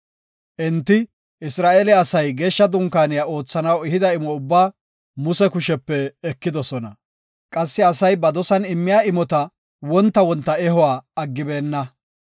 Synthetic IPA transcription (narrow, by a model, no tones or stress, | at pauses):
ʔɛnt̪ːɪ | ɪsɾaːʔeːlɛɐsɐjɡe̞ːʃːɐd̪ʊŋkaːnɪjao̞ːt͡sːɐnɐwɪɦɪd̪ɐɪmɔʊbːaː | mʊsɛkʊʃɛpːɛːkːɪd̪ɔsɔnɐ | kʼɐsːɪɐsɐjbɐd̪ɔsɐnɪmːɪjaːɪmɔt̪ɐ | wɔnt̪ːɐwɔnt̪ːɐɛɦʊwaːɐɡːɪbe̞ːnːɐ